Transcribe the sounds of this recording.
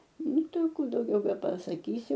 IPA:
ˈnʊ ˈtɐɪ ɐ ˈkuː dɐʊˈɡʲɛʊ bʲɛpɐsɐˈkʲiːsʲɪ

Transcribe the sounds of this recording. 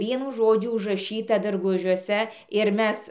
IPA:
ˈʋʲiɛnʊ ˈʒoːd͡ʒʲʊ ʊʒrɐˈʃʲiːtɐ dɐrˈɡʊʒʲuɔsʲɛ ɪr ˈmʲɛs

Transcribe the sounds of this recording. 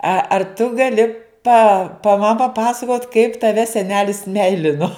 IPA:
ɐ ɐr tʊ ɡɐˈlʲɪ pɐ pɐ mɐ pɐˈpɑːsɐkoːt kɐɪp tɐˈʋʲɛ sʲɛˈnʲæːlʲɪs ˈmʲɛɪlʲɪnoː

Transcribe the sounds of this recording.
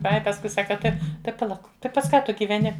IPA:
ˈɐɪ pɐsˈkʊɪ ˈsɑːkɐ ˈtɐɪ tɐɪ pɐˈlˠɐʊk ˈtɐɪ pɐs ˈkɑː ˈtʊ ɡʲiːʋʲɛˈnʲɪ

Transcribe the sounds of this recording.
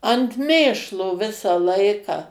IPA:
ɐnt ˈmʲeːʃlˠoː ˈʋʲɪsɐ ˈlˠɐɪkɑː

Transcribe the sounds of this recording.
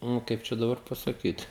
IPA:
ˈnʊ ˈkɐɪp t͡ʃʲɛ dɐˈbɐr pɐsɐˈkʲiːt

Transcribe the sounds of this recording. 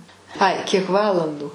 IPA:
ˈɐɪ ˈkʲiɛk ˈʋɑːlˠɐnduː

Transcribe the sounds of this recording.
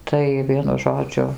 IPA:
ˈtɐɪ ˈʋʲiɛnʊ ˈʒoːd͡ʒʲʊ

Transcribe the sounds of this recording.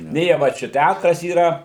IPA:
ˈnʲeː jiɛ ˈʋɐ t͡ʃʲɛ ˈtʲætrɐs iːˈrɐ

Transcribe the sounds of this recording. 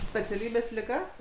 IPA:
sʲpʲɛt͡sʲɛˈlʲiːbʲeːs lʲɪˈɡɐ

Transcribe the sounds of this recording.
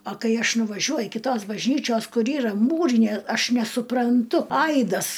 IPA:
ɐ ˈkɐɪ ˈɐʃ nʊʋɐˈʒʲuɔjʊ kʲɪˈtoːs bɐʒʲˈnʲiːt͡ʃʲoːs ˈkʊr ˈiːrɐ ˈmuːrʲɪnʲeː ˈɐʃ nʲɛsʊprɐnˈtʊ ˈɐɪdɐs

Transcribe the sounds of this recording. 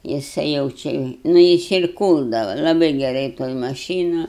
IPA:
jɪˈsɐɪ jɛʊ ˈt͡ʃʲɪ nʊ ˈjɪs ɪr ˈkuːlˠdɐʋɐ lˠɐˈbɐɪ ɡʲɛˈrɐɪ toːj mɐˈʃʲiːnʊ

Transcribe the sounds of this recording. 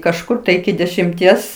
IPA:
kɐʃˈkʊr tɐɪ ɪkʲɪ dʲɛʃʲɪmʲˈtʲiɛs

